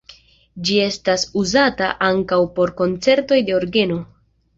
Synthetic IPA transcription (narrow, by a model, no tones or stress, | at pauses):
d͡ʒie̞stasuzataʔaŋkawpo̞ɾko̞nt͡se̞ɾto̞jde̞o̞ɾɡe̞no̞